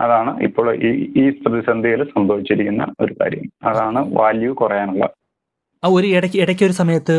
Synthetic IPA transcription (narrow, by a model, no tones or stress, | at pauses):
ɐðaːɳɨʔḭpːoːɭʔiiːprɐðisɐnd̪ʱijɐlsɐmd̪ʱoːʋit͡ɕːiɾikʲːunːɐ̰o̞̰ɾuka̰ːɾjɐmɐðaːɳɨʋaːljɐʋɨkurɐjaːnuɭːɐ̰ | ɐoɾuiɽɐkʲːiɽɐkʲːo̞ɾusɐmɐjɐt̪ːɨ